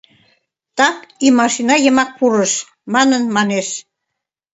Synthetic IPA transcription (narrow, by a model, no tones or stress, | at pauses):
t̪ɑkimɑʃinɑjəmɑk̚puɾəʃ | mɑnənmɑneʃ